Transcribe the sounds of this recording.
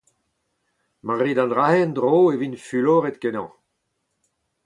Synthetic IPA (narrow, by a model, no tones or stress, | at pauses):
maʁid̪ɑ̃ndʁahɛnd̪ʁoːevinfyloːʁet̪kenɑ̃ː